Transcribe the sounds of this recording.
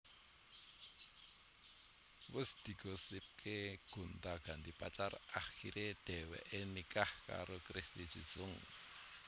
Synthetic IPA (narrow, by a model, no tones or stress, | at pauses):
wəsd̪̥i̤ɡ̥osɪp̚kʰeɡ̥unt̪aɡ̥a̤nd̪ipat͡ʃaraxiɾeɖ̥ɛwɛ̰ʔenikahka̰ɾokɾist̪i̥ʒ̥i̤̥z̥ʊŋ